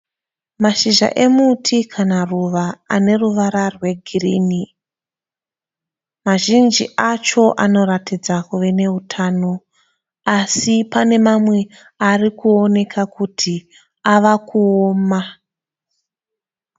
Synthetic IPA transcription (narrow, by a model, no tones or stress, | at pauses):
maʃiʒa̰ʔe̞mutʰikʰanaruʋaa̰ne̞ruʋaɾarwe̞ɡʱiriːni | maʒind͡ʒiʔat͡ʃo̞ʔano̞ɾatid͡zakuʋe̞ne̞utʰaːno̞ | asipane̞mamwe̞ | arikuo̞ne̞kʰakutʰi | aʋakuoːma